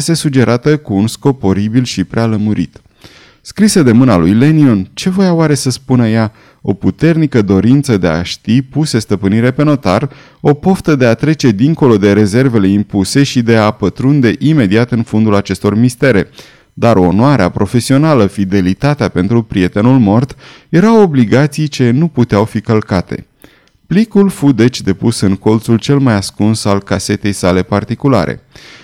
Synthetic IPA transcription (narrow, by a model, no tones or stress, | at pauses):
st̪e̞sud͡ʒe̞ɾat̪əkuːnsko̞po̞ɾibilʃipɾealəmuɾḭt̪ | skɾisəd̪e̞mɨnalujle̞niont͡ʃe̞vo̞jaoaɾe̞səspunəja | o̞put̪e̞rnikəd̪o̞ɾint̪səd̪e̞a̰ʃt̪ipuse̞st̪əpɨniɾe̞pe̞no̞t̪ar | o̞poft̪əd̪e̞at̪ɾe̞t͡ʃe̞d̪iŋko̞lo̞d̪e̞ɾe̞ze̞rve̞le̞impuse̞ʃid̪e̞apət̪ɾund̪e̞ʔime̞d̪iat̪ɨnfond̪ulat͡ʃe̞st̪o̞rmist̪e̞ɾe̞ | d̪aɾo̞noaɾea̰pɾo̞fe̞sio̞naləfid̪e̞lit̪at̪eape̞nt̪ɾupɾije̞t̪e̞nulmo̞rt̪je̞ɾawobliɡat̪sijt͡ʃe̞nuput̪eawfikəlkat̪e̞̰ | plikulfud̪e̞t͡ʃʲd̪e̞pusɨŋko̞lt̪sult͡ʃe̞lmajaskunsalkase̞t̪e̞jsale̞part̪ikula̰ɾḛ